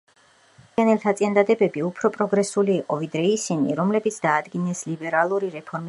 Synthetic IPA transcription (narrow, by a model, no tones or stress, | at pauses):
anɛlt̪ʰat̪sʼiand̪ad̪ɛbɛbiupʰɾɔpʼɾɔɡɾɛsuliːqʼɔvid̪ɾɛisinḭɾɔmlɛbit̪sʰd̪aːd̪ɡinɛslibɛɾalˠuɾiɾɛpʰɔɾmi